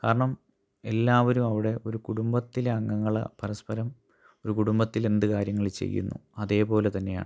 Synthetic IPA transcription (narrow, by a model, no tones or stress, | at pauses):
kaːɾɐɳɐm | e̞lːaːʋɐɾumɐʋiɽe̞o̞ɾukuɽumbɐt̪ːileɐŋːɐŋːɐɭɐ̰pɐɾɐspɐɾɐm | o̞ɾukuɽumbɐt̪ːile̞nd̪ɨkaːɾjɐŋːɐɭit͡ɕe̞̰jːṵnːṵɐðe̞ːpo̞ːle̞t̪ɐnːe̞ja̰ːɳɨ